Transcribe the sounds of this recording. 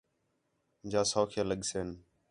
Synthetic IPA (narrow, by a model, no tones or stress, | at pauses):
d͡ʒaːsoːkʰjaːləɠseːn